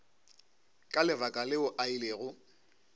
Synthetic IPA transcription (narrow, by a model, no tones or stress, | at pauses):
kʼalɪvakʼalɪʊʔaileɣʊ